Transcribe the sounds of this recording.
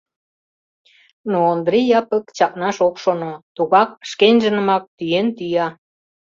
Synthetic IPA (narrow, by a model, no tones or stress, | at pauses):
noːnd̪ɾijɑpəkt͡ɕɑk̚nɑʃokʃonot̪uɣɑk̚ʃkenʒə̆nə̆mɑk̚t̪yjent̪yjɑ